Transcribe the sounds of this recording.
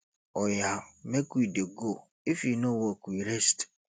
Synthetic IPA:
ɔjamekuideɡo | ifinowɔkuiɾest

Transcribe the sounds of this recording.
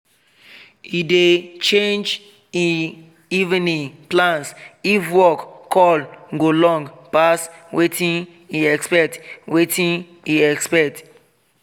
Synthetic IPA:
idet͡ʃẽnd͡ʒ | i | ivĩniplãnsifwɔkkʰːɔlɡolɔ̃ŋɡpaswetʰĩn | iɛkspɛtwetʰĩn | iɛkspɛk̚t

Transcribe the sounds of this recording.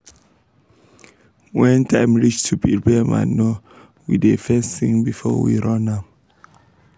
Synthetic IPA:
wɛ̃ntʰãɪmɹit͡ʃtʰupipɛmã̰no | widefɛsθĩŋbifɔ̰wḭɹɔ̃na

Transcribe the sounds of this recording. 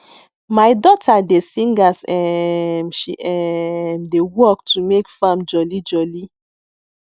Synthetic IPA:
majdɔtʰadesĩŋɡasɛmʃiʔɛmdewɔk̚tʰumekfãmd͡ʒɔlid͡ʒɔli

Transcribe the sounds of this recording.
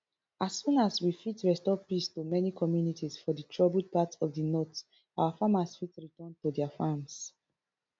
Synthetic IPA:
asːũnaswifitɹɛstɔpistumɛnikʰɔmjunitʰisfɔditʰɹɔbld̚patɔfdinɔt | awafamasfitɹitɔ̃ntudɛafams

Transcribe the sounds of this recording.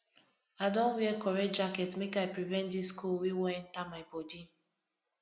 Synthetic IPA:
adɔ̃nwiɛkɔɹɛd͡ʒakɛtmekaɪpɹivɛ̃nt̚diskʰulwewɛɛ̃ntamaɪbɔdi

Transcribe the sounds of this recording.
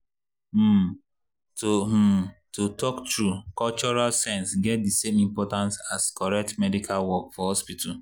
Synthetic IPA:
totutɔktɹukɔlt͡ʃɔɹalsɛ̃nsɡɛt̚disemĩmpɔtãnsaskɔɾɛk̚tmɛdikʰalwɔkfɔhɔspitʰa

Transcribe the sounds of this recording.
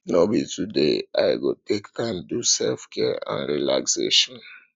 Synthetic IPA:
nobitudeajɡotʰektʰãɪ̃mdusɛlfkʰɛɹã̰nɹilakseʃɔ̃n

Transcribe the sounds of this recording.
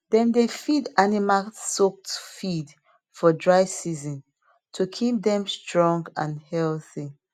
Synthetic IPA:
dɛ̃ndefidanimasok̚tfid | fɔdɹaɪsizɔ̃n | tʰukʰip̚dɛ̃mstɹɔ̃ŋɡãnhɛlθi

